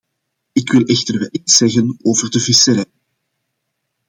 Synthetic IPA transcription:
ɪkʋɪlˠʔɛxtərʋɛlitsɛɣənoːvərdəvɪsəɾɛj

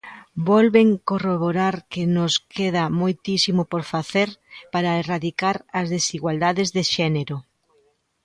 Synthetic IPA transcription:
bɔlβeŋkoroβoɾaɾkɪnʊskʰeðɐmojt̪isimʊpoɾfaθeɾpaɾɐeraðikaɾɐzðesiɣwald̪aðɪzðeʃɛneɾʊ

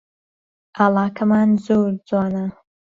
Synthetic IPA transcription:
ʔaːlˠɑːkʰɐmaːnzoːɾd͡zaːnɐ

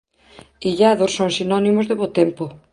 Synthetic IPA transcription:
iʎaðossoŋsinɔnimozðɪβot̪empo

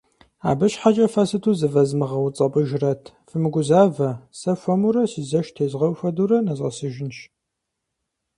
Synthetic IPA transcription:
a̰ːbɨɕħat͡ʃʼɐfasɨtʰuːzɨvɐzmɨʁɐwt͡sʼɐpʼɨʒɪrɐtʰ | fɨmɨɡʷʊzaːvɐsɐfʷɐmuɾɐsizɐʃtʰeːzʁɐwfɐduɾɐnɐzʁɐ̰sɨʒɪnʃ

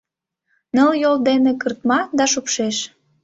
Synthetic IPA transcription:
nəljold̪enekərt̪mɑd̪ɑʃupʃeʃ

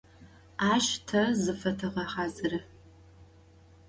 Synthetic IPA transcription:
aːʃtʰɐzɨfɐtʰɐʁɐħaːzɨrɐ

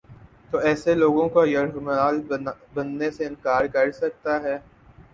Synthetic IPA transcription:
t̪oːɛːseloːɡõkojɐɾɦmaːlbɐnːeseɪ̃nkaːɾkɐɾsɐk̚t̪aɦɛː

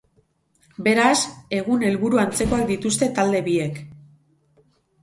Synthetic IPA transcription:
be̞ɾase̞ɣ̞une̞lβuɾuant͡se̞ko̞ak̚d̪it̪ust̪e̞t̪ald̪e̞βie̞k

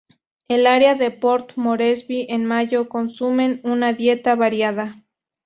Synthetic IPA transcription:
elaɾeaðepo̞ɾt̪moɾesβiʔenmaʝo̞ko̞nsume̞nunaðje̞t̪aβaɾjað̞a

